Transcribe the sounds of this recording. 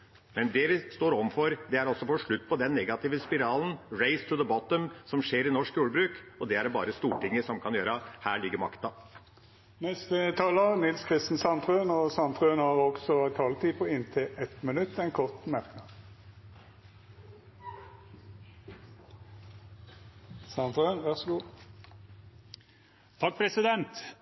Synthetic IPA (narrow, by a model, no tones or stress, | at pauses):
mɛnd̪ɛʋɪst̪oːɾɔmfɔɾd̪ɛæɾɔsɔfɔʂɭʉt̪ːpʰɔd̪ɛnːɛɡɑt̪ɪːʋəspɪɾɑːln̩ɾeɪst̪ʰɾuːðəbɔt̪əmsɔmʂeːɾɪnɔʂkjuːɖəbɾʉːkɔd̪ɛæɖbɑ̰ːɾəst̪uːʈɪŋːəsɔmkʰɑnjøːɾəhæːɭɪɡːəɾmɑ̰kt̪ɑ | nɛst̪ət̪ʰɑːləʁnɪlskʰʁɪst̪n̩sɑnt̪ʰʁøːnɔsɑnt̪ʰʁøːnhɑːʁɔɡsɔt̪ʰɑːlt̪iːpʰɔɪnt̪ʰɪɛt̪mənʉt̪ːɛnkʰɔʁt̪mæʁknɑːd̪ | sɑnt̪ʁøːnʋæʁsɔɡuː | t̪ʰɑk̚pʰɾɛsɪd̪ɛnt̪